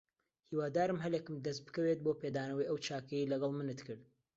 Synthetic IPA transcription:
hiːwaːd̪aːɾɨmɦɐlekɨmd̪ɐst̪̚bɨ̥kɐwet̪̚boːped̪aːnɐwɐjɐwt͡ʃʰaːkɐjilɐɡɐlˠmɨnɨt̪kɨɾd̪

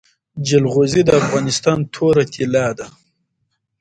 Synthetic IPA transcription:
d͡ʒɪlɣozid̪əafɣɑːnɪst̪ɑnt̪ʰoɾat̪ʰilɑːd̪a

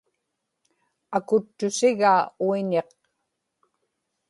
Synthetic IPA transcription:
akʊt̪ːʊsɪɣaːuiɲeq

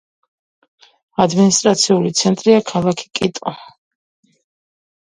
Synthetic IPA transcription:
ad̪minist̪ʼɾat̪sʰiulit̪sʰɛnt̪ʼɾiakʰalˠakʰi̥kʼit̪ʼɔ

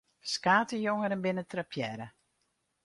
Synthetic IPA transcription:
skaːtəjoŋəɾɛnbɪnətrapʰjɛɾə

